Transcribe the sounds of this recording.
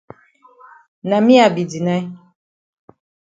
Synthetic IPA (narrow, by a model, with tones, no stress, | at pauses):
na˨mi˦a˨bi˨di˨na˦j